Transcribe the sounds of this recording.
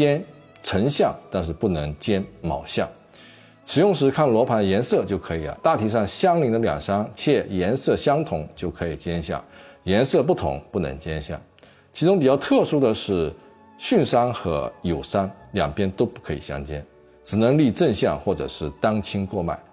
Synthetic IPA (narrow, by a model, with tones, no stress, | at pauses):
t͡ɕjɛ˥n | ʈ͡ʂʰə˧˥ŋɕjɑ˥˩ŋt̪a˥˧nʂ̬ɻ̩˥˧pu˥˩nɤ˧˥ŋt͡ɕjɛ˥nmɑ̰˨˩ʊɕjɑ̰˥˩ŋ | ʂɻ̩˨˩jʊ˥˩ŋʂ̬ɻ̩˧˥kʰa˥˩nlwɔ˧˥pʰa˧˥nd̪ə˧jɛ˧˥nsɤ˥˧t͡ɕjo˥˩ʊkʰɤ˧˥i˨˩ɐ̰˦t̪a˥˩t̪ʰi˧˥ʂɑ˥˩ŋɕjɑ˥ŋli˧˥ŋd̪ə˧ljɑ̰˨˩ŋʂɑ˥ŋt͡ɕʰjɛ˥˩jɛ˧˥nsɤ˥˩ɕjɑ˥ŋt̪ʰʊ˧˥ŋt͡ɕjo˥˩ʊkʰɤ˧˥i˨˩t͡ɕjɛ˥nɕjɑ̰˥˩ŋjɛ˧˥nsɤ˥˧p̬u˥˩t̪ʰʊ̰˧˥ŋpu˥˩nɤ̰˧˥ŋt͡ɕjɛ˥nɕjɑ̰˥˩ŋ | t͡ɕʰi˧˥ʈ͡ʂʊ˥ŋpi˨˩jɑ˥˧ʊt̪ʰɤ˥˩ʂu˥d̪ə˨ʂɻ̩˥˩ | ɕy˥˩nʂa˥nxɤ̰˧˥jo˨˩ʊʂa˥nljɑ̰˨˩ŋpjɛ˥nt̪o˥ʊpu˥˩kʰɤ˧˥ḭ˨˩ɕjɑ̰˥ŋt͡ɕjɛ̰˥n | ʈ͡ʂɻ̩˨˩nɤ˧˥ŋli˥˧ʈ͡ʂə˥˧nɕjɑ̰˥˩ŋxwɔ˥˩ʈ͡ʂɤ̰˨˩ʂɻ̩˥˩t̪ɑ˥ŋt͡ɕʰi˥ŋkwɔ˥˧ma̰˥˩ɪ